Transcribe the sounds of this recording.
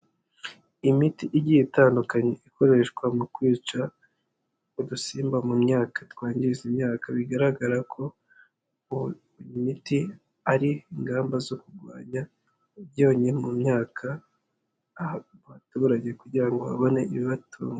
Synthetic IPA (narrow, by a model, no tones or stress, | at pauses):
imitiʔiɟitaːndukaɲeikʰo̞ɾe̞ʃkwamukwiːt͡ʃa | udusiːmbamumɲaːkatwaːɲɟiɾizimɲaːkʰaβiɡaɾaɡaɾakʰo̞ | imiti | aɾiːŋɡaːmbazo̞kuɡwa̰ːɲa | βjoːɲemumɲaːkʰa | βatuːɾaɟe̞kuɟiɾaŋɡo̞ha̰βone̞iβiβatʰuːŋɡ